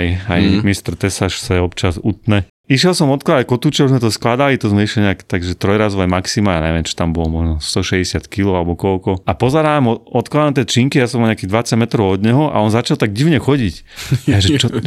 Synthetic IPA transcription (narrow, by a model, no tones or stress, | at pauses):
ja̰jmist̪ɾt̪ɛsaʃsɛɛɔpt͡ʃazut̪nɛ | iʃjɛlsɔmɔt̪klad̪akɔt̪uːt͡ʃɛuzmɛt̪ɔsklad̪alit̪ɔzmɛiʃliɲɛaːkt̪aɡʒɛt̪ɾɔjɾazɔʊajmaksimaaɲɛ̰ʋɛmt͡ʃi̥t̪ambɔlɔmɔʒnɔst̪ɔʃɛɟɛsɪat̪kilɔalɛbɔkɔlkɔapɔzɛɾaamɔɔt̪klad̪ant̪jɛt͡ʃiŋkijasɔmaɲakid̪ʋat͡saɟmɛt̪ɾɔʊɔd̪ɲɛɦɔʔa̰ɔnzat͡ʃalt̪aɡɟiʊɲɛxɔɟic | aʒɛt͡ʃɔ